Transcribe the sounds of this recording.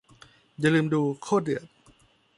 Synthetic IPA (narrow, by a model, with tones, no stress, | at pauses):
ja˧˨lɯː˧mduː˧kʰoː˥˩t̪̚dɯ˨˩ət̪̚